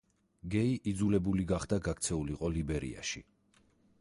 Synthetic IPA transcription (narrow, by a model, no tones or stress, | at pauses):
ɡɛiʔid̪zulɛbuliɡaχd̪aɡakt̪sʰɛuliqʼɔlibɛɾḭa̰ʃi